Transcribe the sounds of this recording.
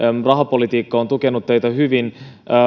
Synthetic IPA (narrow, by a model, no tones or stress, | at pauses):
rɑɦɑpo̞lit̪iːkːɑont̪ukenut̪ːejt̪ɑɦyʋinː